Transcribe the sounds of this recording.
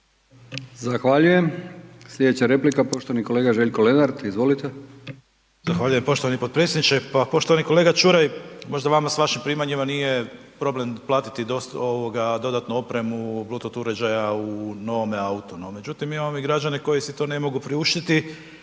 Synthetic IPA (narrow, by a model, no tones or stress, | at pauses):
zaxʋaʎujemslʎe̞d̪et͡ɕaɾeplikapo̞ʃt̪oaniko̞leːɡaʒe̞ʎkolenaɾd̪izʋo̞lit̪e | zaxʋaʎujempo̞ʃt̪o̞ʋanipopɾet̪sjed̪nit͡ʃepapo̞ʃt̪o̞ʋaniko̞le̞ːɡat͡ʃuɾajmo̞ʒd̪aʋamasʋaʃimpɾiːmaɲimanije̞pɾo̞blemplˠaːt̪i̥t̪id̪o̞st̪o̞ʋoɡad̪o̞d̪at̪nuo̞pɾe̞mubluːt̪ot̪uɾed͡ʒajauno̞ʋomeaut̪onome̞d͡ʑut̪imjimamoiɡɾad͡ʒaneko̞jisit̪o̞ne̞mo̞ɡupɾiuʃt̪it̪i